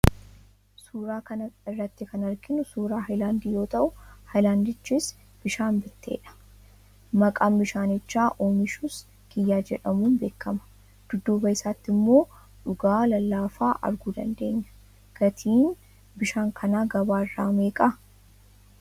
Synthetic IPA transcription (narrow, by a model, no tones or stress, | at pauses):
suːɾaːkɐnɐɪrːɐt̪ːɪkɐnɐɾɡɪnʊsuːɾaːɦɐjlaːnd̪iːjo̞ːt̪ʼɐʔʊhɐjlaːnd̪ɪt͡ʃːis | b̥ɪʃaːmbɪt̪ːe̞̰ːᶑɐ̥ | mɐkʼaːmbɪʃaːnɪt͡ʃːaːʔoːmɪʃuːs | ɡ̥ɪjːaːd͡ʒɛᶑɐmuːnbe̞ːkːɐmɐ̥ | d̪̥ʊd̪ːuːbɐɪsaːt̪ːɪmːo̞ː | ᶑʊɡaːlɐlːaːfaːʔɐ̰ɾɡuːd̪ɐ̰nd̪e̞ːɲːɐ̥ | ɡ̥ɐt̪ʰiːn | bɪʃaːŋkʰɐnaːɡɐbaːɪrːaːmeːkʼɐ